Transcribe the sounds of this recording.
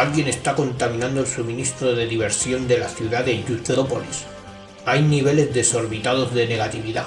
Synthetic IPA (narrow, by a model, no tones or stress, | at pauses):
alɣje̞ne̞st̪ako̞nt̪amĩnãnd̪oelsumĩnist̪ɾo̞ðe̞ðiβ̞e̞ɾsjo̞nd̪e̞laθjuðaðeʝuθeɾo̞po̞lis | ajniβ̞e̞le̞zðe̞so̞ɾβit̪að̞o̞zðe̞ne̞ɣat̪iβiða